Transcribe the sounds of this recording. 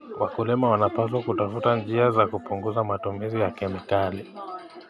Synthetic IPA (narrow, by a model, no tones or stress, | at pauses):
wakulimawanapas̬wakutafutand͡ʒiazakupuŋɡuzamatumizijakɛmikali